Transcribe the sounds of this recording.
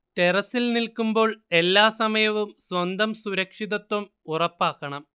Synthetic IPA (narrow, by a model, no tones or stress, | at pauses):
ʈe̞rɐsilnilkumbo̞ːɭe̞lːaːsɐmɐjɐʋumsʋɐnd̪ɐmsuɾɐkʂiðɐt̪ːɐm | urɐpːaːkːɐɳɐm